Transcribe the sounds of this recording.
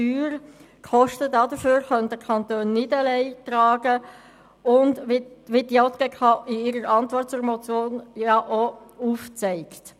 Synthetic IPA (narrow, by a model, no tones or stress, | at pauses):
yːɾ | kʰχɔʃtədɑdəføːɾχœntdəkʰɑntøːnːɪdəlɛɪtɾɑːɡ̥ə | ʊndʋɪdjɔt̪ɡ̥ɛkʰɑʔɪɪɾəɾɑntvʋɔrt̚t͡sʊːɾmɔt͡sjoːnjɑʔouft͡sɛɪkt